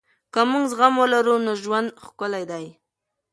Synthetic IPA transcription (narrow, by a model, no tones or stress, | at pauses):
kəmuŋɡzɣamwəlaɾunoʒwand̪xkʊlajd̪aj